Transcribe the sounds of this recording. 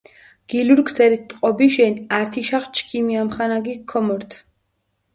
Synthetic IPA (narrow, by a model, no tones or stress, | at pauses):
ɡ̥iluɾɡsɛɾit̪ʼqʼɔbiʃɛnaɾt̪ʰiʃaχt͡ʃʰkʰimiamχanaɡikʰːɔmɔɾt̪ʰ